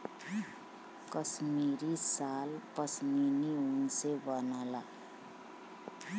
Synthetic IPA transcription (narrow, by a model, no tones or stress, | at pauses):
kʌsmiɾisalpʌsminiunsebʌnala